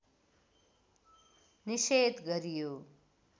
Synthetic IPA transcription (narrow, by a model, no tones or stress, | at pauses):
nised̪ɡʌɾijo